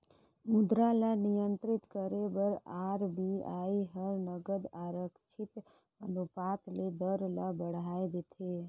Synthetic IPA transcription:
mud̪ɾalanijənt̪ɾit̪kəɾebəɾaɾbiajɦəɾnəɡəd̪aɾəkt͡ʃʰit̪ | ənupat̪led̪əɾla̰bəɽ̤ajd̪et̪ʰe

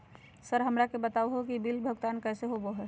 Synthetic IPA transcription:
səɾɦəmɾakebət̪auɦokibilbʱəɡt̪aːnkɛːseɦoboɦɛː

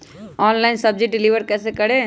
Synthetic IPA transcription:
aːnlɐɪnsɐb̚d͡ʒɪʈ̚ɖɪliʋəɾkɛːsekɐɽeː

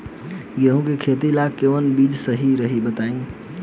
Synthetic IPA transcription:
jeɦũkekʰet̪ilakːeʋənbid͡ʒsəɦiɾəɦibət̪aĩ

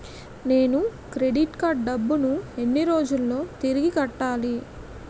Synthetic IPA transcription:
ne̞ːnu | kɾe̞ɖiʈkaːɾʈ̚ɖɐbːunue̞nːiɾo̞ːd͡ʒulːo̞ːt̪iɾiɡikɐʈːaːli

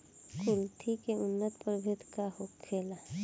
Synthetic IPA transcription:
kʊlt̪ʰikeʊnːət̪pəɾbʱɪt̪ʰkahokʰːeːla

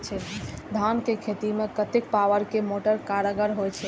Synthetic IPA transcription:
t͡ʃʰɛd̪ʱankekʰet̪imekət̪ek̚paʋəɾkemoʈəɾkaɾəɡəɾɦojt͡ʃʰɛ

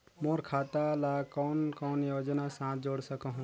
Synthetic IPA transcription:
moɾkʰat̪alakɔnkɔːnjod͡ʒnasãt̪̚ʰd͡ʒoɽsəkəɦũ

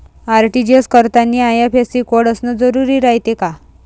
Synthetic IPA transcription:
aɾʈid͡ʑeskəɾt̪aniːajapʰesikoɽəsnəd͡zəɾuɾiːɾaɦjt̪eka

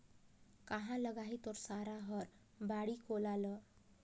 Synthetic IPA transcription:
kaɦãləɡaɦit̪ɔɾsaɾaɦɔɾ | baɽiːkolalə

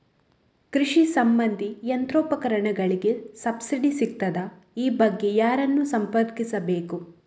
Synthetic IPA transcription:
kɾiʂisɐmbɐnd̪ʱiɐnt̪ɾoːpɐkɐɾɐɳɐɡɐɭiɡe̞sɐbsiɖisik̚t̪ɐd̪ɐ | iːbɐɡːe̞jaːɾɐnːusɐmpɐɾd̪kisɐbe̞ːku

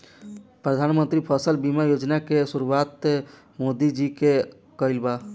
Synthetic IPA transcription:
pɾəd̪ʱanmənt̪ɾipʰəsəlbimajod͡ʒnakesuɾuwat̪ | mod̪id͡ʒike | kəɪlba

